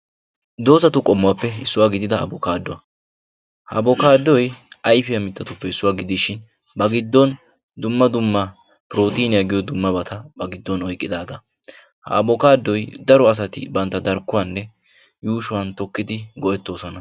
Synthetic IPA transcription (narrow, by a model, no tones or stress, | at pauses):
d̪o̞ːsɐt̪ʊkʼɔmːʊwɐpːɛɪsːʊwaːɡɪd̪ɪd̪ɐ̰ːbɔkaːd̪ːɔɐ | hɐ̰ːbɔkaːd̪ɔjɐjfɪjɐmɪt̪ːɐt̪ʊpːɛɪsːʊwaːɡɪd̪ɪʃɪn | bɐɡɪd̪ːɔn | d̪ʊmːɐd̪ʊmːɐ | pɪɾo̞ːt̪iːnɪjɐɡɪjɔd̪ʊmːɐbɐt̪ʰɐbɐɡɪd̪ːɔnɔjkʼːɪd̪aːɡɐ | hɐ̰ːbɔkaːd̪ːɔjd̪ɐɾɔɐs̬ɐt̪ɪ̰bɐnt̪ːɐd̪ɐɾkːʊwɐnːɛ | juːʃʊwɐnt̪ɔkːɪd̪ɪɡɔʔɛt̪ːo̞ːsɔnɐ